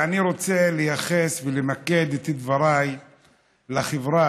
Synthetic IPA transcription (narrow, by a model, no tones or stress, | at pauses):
aniɾo̞t͡se̞lejaχe̞svelemake̞d̪it̪id̪vaɾaj | laχevɾa